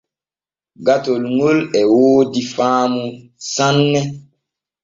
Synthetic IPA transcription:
ɡatolŋolɛwoːdifaːmusãnːɛ

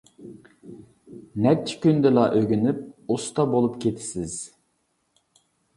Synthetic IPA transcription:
nɛt͡ʃʰːi̥kʲynd̪ɪlˠɑʔøɡʲynyp̚ust̪ʰɑbolˠupkʲʰet̪ʰɪ̥sɪz̥

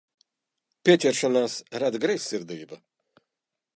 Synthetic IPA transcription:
pʲiɛtʲɛɾʃɔnaːsɾad̪ɡɾɛjsʲːiɾd̪iːbɐ

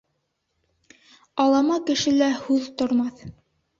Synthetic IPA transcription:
ɑlˠɑmɑkɘ̆ʃɘlæhʉðt̪ŏɾmɑθ

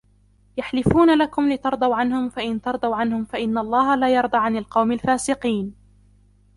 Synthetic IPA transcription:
jaħlɪfuːnalakʊmlɪt̪ɑɾˤd̪ˤɑwʕanhʊmfaʔɪnt̪ɑɾˤd̪ˤɑwʕanhʊmfaʔɪnːaʔlˤːɑːhalaːjɑɾˤd̪ˤɑːʕanalqɑwmalfaːsɪqiːn

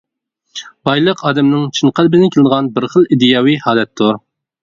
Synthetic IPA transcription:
bɑjlˠəqɑːd̪ɛmnɪŋt͡ʃʰɨɴqælbɪnɪkʰʲelɨd̪əʁɑnbɪɾχəlˠid̪ɨjɑːwihɑːlɛt̪ʰːʊɾ

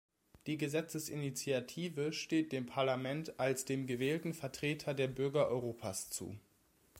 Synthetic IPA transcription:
d̥iːɡəzɛt͡səsʔḭnit͡siatʰiːvəʃteːt̚d̥eːmpʰaɐlamɛntalsd̥eːmɡəvɛːltn̩fɛɐtʁ̥eːtʰɐdeːɐbʏɐɡɐʔɔ̰ʏʁoːpʰast͡sṵː

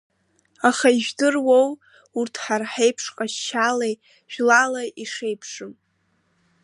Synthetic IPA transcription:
aχaiʒᶣdɨrwow | urtʰħarħejpʰʂqʼaʃːalej | ʒ̥ᶣlalaʔiʂe̞jpʰʂɨm

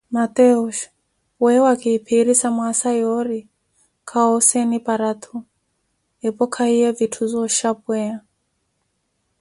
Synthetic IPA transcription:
mat̪ɛuʃ | wɛwakiːpʰiɾisamwasajɔɾi | kʰaɔsɛnipaɾat̪ʰu | ɛpɔkʰaiɛvitʰuzɔʃapwɛa

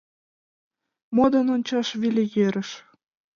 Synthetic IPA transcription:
mod̪ɤnonʲt͡ɕɑʃβilʲejeɾəʃ

